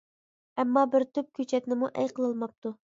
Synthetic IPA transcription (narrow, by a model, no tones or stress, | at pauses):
ɛmːɑbɪɾt̪ʰyp̚kʲøt͡ʃʰɛt̪nɪmuʔɛjqʰəlˠɨlˠmɑp̚t̪ʰu